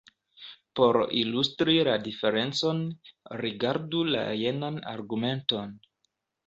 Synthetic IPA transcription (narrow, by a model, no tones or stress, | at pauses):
po̞ɾilustɾiladife̞ɾe̞nt͡so̞nɾiɡaɾdula̰je̞nana̰ɾɡume̞nto̞n